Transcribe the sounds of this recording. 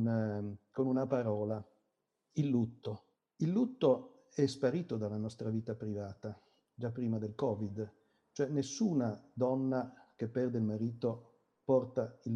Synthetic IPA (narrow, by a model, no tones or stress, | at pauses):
nkonunapaɾɔːla | ilːut̪ːo | ilːut̪ːo | ɛspaɾiːt̪od̪alːanɔst̪ɾaviːt̪apɾivaːt̪a | d͡ʒapːɾiːmad̪elkɔvid̪ | t͡ʃoɛnːesːuːnad̪ɔnːak̟epːɛrd̪eilmaɾiːt̪o | pɔrt̪ail